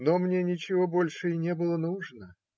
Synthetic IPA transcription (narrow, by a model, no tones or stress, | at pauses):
nomnʲenʲɪt͡ɕɪvo̞bo̞lʲʂɨɪnʲebɨlˠənuʐnə